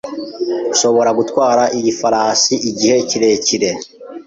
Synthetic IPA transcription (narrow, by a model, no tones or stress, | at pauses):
uʃo̞βo̞ɾaɡutwaːɾaʔiɟifaɾaːsiʔiɟihe̞ciɾe̞ciɾe